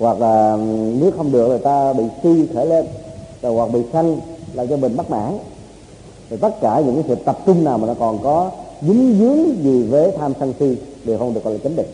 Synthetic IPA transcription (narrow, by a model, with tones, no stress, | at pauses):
ɣwa˨˩k̚laː˨˩nɨ˨˦əkxə˧wŋ͡mɗɨ˨˩ək̚zo˨˩jt̪aː˧ɓḭ˧˨si˧t̪ʰe˧˩le˧nzo˨˩wa˨˩k̚ɓḭ˧˨sa˧jŋ̟laː˨˩mt͡ɕɔ˧mï˨˩ŋ̟ɓa˦˥ma̰ː˧˥˨n | t̪ʰi˨˩t̪ə˦˥t̚kaː˧˩ɲɨ̰˧˥ŋkaː˨˦sɨ̰˧˨t̪ə˨˩p̚t͡ɕʊ˧ŋ͡mnaː˨˩wmaː˨˩nɔ˨˦kɔ˨˩nkɔ˨˦zi˨˦ŋzɨ˨˦əŋzi˨˩vəː˨˦jt̪ʰaː˧msa˧ŋsi˧ | ɗi˨˩wxə˧ŋ͡mɗɨ˨˩k̚ɔ̰˧˨laː˨˩t͡ɕa˨˦ŋɗḭ˨